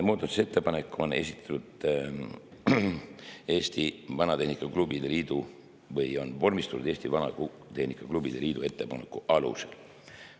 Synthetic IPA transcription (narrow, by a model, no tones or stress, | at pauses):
muːd̪̥ɑt̪ːˑu̥se̞t̪ːepɑne̞kːˑuo̞ne̞̰sʲi̥t̪ːˑɑ̥t̪ud̪ | e̞ːsʲt̪ivɑnɑt̪e̞hnikːˑɑklubid̪̥eliːd̪̥u | vɤjo̞nvo̞rmist̪unud̪̥eːst̪ivɑnɑ̰ | t̪e̞hnikːˑɑklub̥id̪̥eliːd̪̥ue̞t̪ːe̞pɑnekːˑuʔɑlṵsḛl